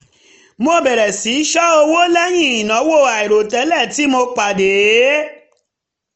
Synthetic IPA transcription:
mo˧bɛ˨ɾɛ˨si˨˦ʃɔ˦o˧wo˦lɛ˦j̃ĩ˦˨i˨nã˨˦wo˦˨a˨i˨ɾo˨tɛ˨˦lɛ˦˨ti˨˦mo˧k͡pa˨de˨˦

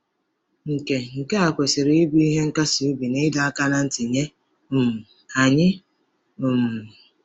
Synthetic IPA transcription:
ŋ̩˨ke˨ŋ̩˨ke˦a˨kʷe˨sɪ˨ɾe˨i˦bi˦i˦ɦe˦ŋ̩˦ka˦su˨u˦bi˨ne˦da˨a˦ka˦na˦n̩˦tɪ˨ɲe˦ | ʊ˨mʊ˨ | a˨ɲɪ˦ | ʊ˨mʊ˨

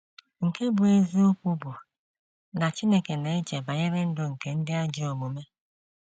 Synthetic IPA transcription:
ŋ̩˨ke˦bʊ˨e˦zi˦o˦kʷu˦bʊ˨ | na˨t͡ʃi˦ne˦ke˨ne˨e˦d͡ʒe˨ba˨ɲe˦ɾe˦n̩˦dʊ˦ŋ̩˨ke˨n̩˦dɪ˦a˦d͡ʒi˦o˨mu˨me˦

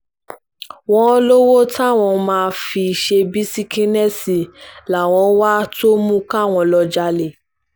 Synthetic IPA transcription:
w̃ɔ̃˦lo˦wo˦ta˦˨w̃ɔ̃˧mãː˧fi˧˨ʃe˧bi˦si˦kĩ˦nɛ˦si˨la˨w̃ɔ̃˨˧˦wa˦to˦mũ˦ka˦˨w̃ɔ̃˧lɔ˧d͡ʒa˧le˨

